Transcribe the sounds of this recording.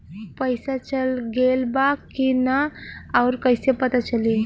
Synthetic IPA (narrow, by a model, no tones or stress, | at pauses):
pəjsat͡ɕəlɡelbakːinaawɾkəjsepət̪at͡ɕəli